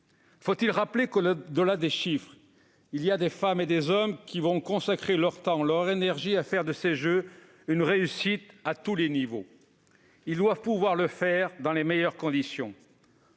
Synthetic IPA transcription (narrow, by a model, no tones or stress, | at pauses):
fot̪ilʁaplekold̪əlad̪eʃifχ | ilijad̪efamed̪ezɔmkʲivɔ̃kɔ̃sakχelœʁt̪ɑ̃lœʁenɛʁʒiafɛʁd̪əseʒø | ynʁeysit̪at̪ulenivo | ild̪wavpuvwaʁləfɛʁd̪ɑ̃lemejœʁkɔ̃d̪isjɔ̃